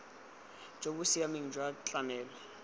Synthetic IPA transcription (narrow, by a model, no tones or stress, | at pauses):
d͡ʒʱok̬usijamiŋ̩d͡ʒʱwat͡ɬʼamɛːlɔ